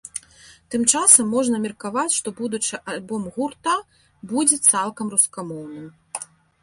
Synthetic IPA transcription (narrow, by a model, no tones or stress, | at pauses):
t̪ɨmt͡ʂasɐmːɔʐnɐmʲɛrkavat͡sʲʂt̪ɔbud̪ut͡ʂɨʔalʲbɔmɣurt̪ɐ | bud͡zʲɛt̪salˠkɐmruskamɔwnɨm